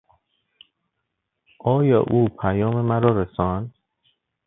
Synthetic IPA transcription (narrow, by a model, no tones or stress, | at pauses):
ʔɒːjɒ̰ːʔuːpʰæjɒːmemæɾɒːɾesɒnd̪